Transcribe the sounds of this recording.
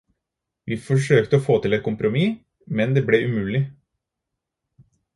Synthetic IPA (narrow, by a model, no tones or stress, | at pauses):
ʋiːfɔʂ̬øːkt̪əɔfoːt̪ɪlɛt̪̚kʰʊmpɾʊmiː | mɛnd̪eːblɛʔʉmʉːlɪ